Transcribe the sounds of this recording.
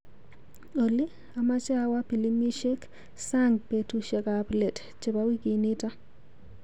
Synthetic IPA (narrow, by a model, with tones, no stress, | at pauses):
ɗo˨li˦ | a˨ma˦t͡ʃawa˦pi˨limi˦ʃɛ˦k | saŋɡpetuʃɛ˨kaplɛ˨t | t͡ʃɛ˨bawi˦ki˨ni˦ta˦